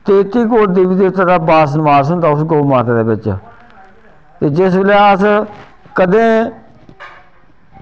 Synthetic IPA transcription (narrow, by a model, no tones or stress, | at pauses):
t̪eːt̪iːkoːʈd̪iʋiːd̪eːt̪ːaːd̪aːbaːs̬nəʋaːsɦʊnd̪aːʊsɡoːmaːt̪aːd̪eːbɪt͡ʃ | t̪eːd͡ʒɪsʋeleəs | kəd̪ẽː